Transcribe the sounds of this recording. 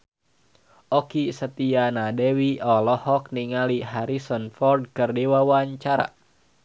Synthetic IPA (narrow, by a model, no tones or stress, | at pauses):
ʔɔkisət̪ianadɛwiʔɔlɔhɔk̚niŋaliɦaɾisɔnfɔrd̚kərdewawaɲt͡ʃaɾa̰